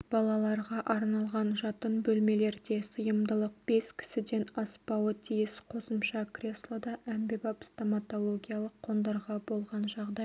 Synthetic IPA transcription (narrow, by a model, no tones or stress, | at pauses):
b̥ɑlˠɑlˠɑɾʁɑʔɑɾnɑlˠʁɑnʒɑt̪ənbɵlme̞le̞ɾd̪e̞səjəmd̪əlˠəq̚b̥e̞skʲʰɪ̥sɪd̪e̞nɑspɑwət̪ʰijɪsqʰo̞səmʃɑkrʲe̞slˠod̪ɑʔæmbebɑpst̪omat̪o̞lˠo̞ɡʲijɑlˠəqʰːo̞nd̪ɑɾʁɑbo̞lˠʁɑnʒɑʁd̪ɑj